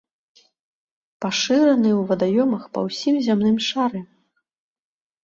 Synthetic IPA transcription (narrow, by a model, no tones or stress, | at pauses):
paʂɨɾɐnɨwvɐd̪ajɔmɐxpɐ̰wsʲimzʲamnɨmʂaɾɨ